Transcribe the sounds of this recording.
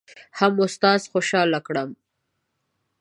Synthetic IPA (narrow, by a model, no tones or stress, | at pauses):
hamʊst̪ɑːzxoʃɑlakɽəm